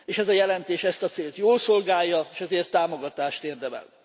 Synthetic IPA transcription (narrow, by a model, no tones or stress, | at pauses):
eːʃɛzɒjɛlɛnt̪eːʃɛst̪ɒt̪seːlt̪joːlso̞lɡaːjːɒeːʃɛzeːrt̪ːaːmoɡɒt̪aːʃt̪eːrd̪ɛmɛ̰l